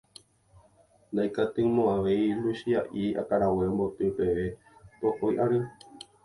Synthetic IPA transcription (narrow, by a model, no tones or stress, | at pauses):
nd̪ajkat̪ɨmõaʋe̞jluʃiaʔia̰kaɾaweombot̪ɨpe̞ʋe | t̪oʔojʔaɾɨ